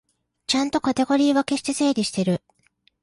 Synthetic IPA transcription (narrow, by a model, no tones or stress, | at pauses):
t͡ɕãnt̪o̞kat̪e̞ɡo̞ɾʲiːβake̞ɕi̥t̪e̞se̞ːɾʲiɕi̥t̪e̞ɾɯ̟